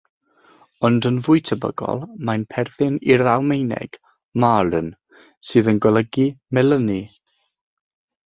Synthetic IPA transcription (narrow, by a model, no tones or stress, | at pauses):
ɔndənvʊjtʰəbə̰ɡɔ̰lˠmajnpʰɛrθɪniɾawmejnɛ̰ɡ̥ | maɾən | sɨːðənɡɔlˠəɡimɛləni